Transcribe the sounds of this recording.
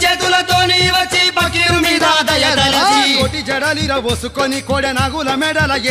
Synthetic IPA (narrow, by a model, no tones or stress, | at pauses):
t͡ʃed̪ulɐt̪oːniʋɐt͡ʃːipɐkiumiːd̪ad̪ɐjɐɾɐlɐd͡ʒikoʈid͡ʒɛɽɐliɾɐʋosukonikoɽenaɡulɐmɛɖɐlɐɡe